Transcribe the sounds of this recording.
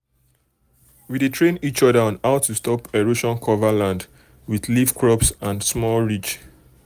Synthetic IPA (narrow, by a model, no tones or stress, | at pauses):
widetʰɹẽnit͡ʃɔdaɔ̃naʊtustʰɔpeɹoʃɔ̃nkʰɔvalãnd | wiðlifkʰɹɔpsãndsmɔlɹit͡ʃ